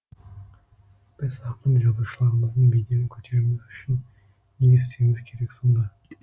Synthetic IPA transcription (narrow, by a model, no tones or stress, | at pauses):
b̥ɪzɑqəmʒɑzuʃəlˠɑɾəməzd̪əɴbeɡʲe̞nɪkʲʰɵ̥t̪ʰe̞ɾɪmɪzʏʃɪn | neest̪emɪzkʲʰe̞ɾe̞ksond̪ɑ